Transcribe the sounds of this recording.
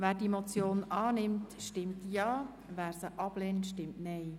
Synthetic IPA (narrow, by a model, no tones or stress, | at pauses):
ʋæːɾdimot͡sjoːnɑːnɪmtʃtɪmtjɑː | ʋæːɾsəʔɑb̥leːntʃtɪmtnɛj